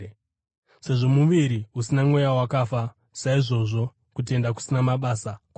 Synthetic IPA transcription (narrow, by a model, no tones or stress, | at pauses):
se̞ʐo̞muʋiɾiusinamwe̞jawakafa | saiʐo̞ʐo̞ | kut̬ie̞ndaku̥sinamaɓaːsak